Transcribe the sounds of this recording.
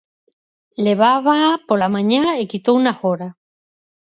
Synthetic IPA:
leβaβapolamãɲaekit̪ounahoɾa

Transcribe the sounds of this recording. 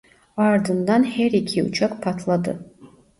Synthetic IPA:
aːrdɨndanħerikʰiṵt͡ʃʰakʼpʰatʰladɨ̰

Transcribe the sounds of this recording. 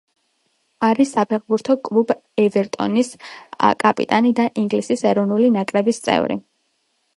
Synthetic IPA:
aɾisːapʰɛχbuɾt̪ʰɔkʼlˠubɛvɛɾt̪ʼɔ̰niskʼapʼḭt̪ʼanid̪aʔiŋɡlisisɛɾɔvnulinakʼɾɛbist̪sʼɛ̰vɾḭ

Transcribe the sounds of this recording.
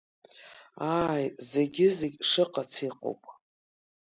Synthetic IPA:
aːjze̞ɡʲɪzeɡʲʂɨqʼat͡sʰiqʷʼo̰wpʼ

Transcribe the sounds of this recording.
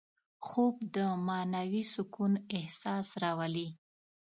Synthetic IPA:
xob̚d̪əmɑnawisʊkunɪhsɑsɾɑwali

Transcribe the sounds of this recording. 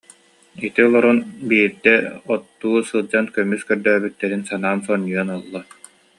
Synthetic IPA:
it̪iɔlˠɔɾɔnbiːɾd̪ɛɔt̪ːuːsɯlˠd͡ʑankœmːyskœɾd̪œːbyt̪ːɛɾinsanaːnsɔnːyɔnɔlˠːɔ

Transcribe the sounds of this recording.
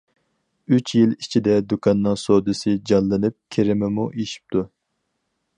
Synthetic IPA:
yt͡ʃʰjilit͡ʃʰid̪ɛd̪ukʰɑnːɨŋsod̪ɨsɨd͡ʒɑnlːˠɨnɨp̚kʲʰeɾɪmɪmuʔiʃi̥p̚t̪ʰu

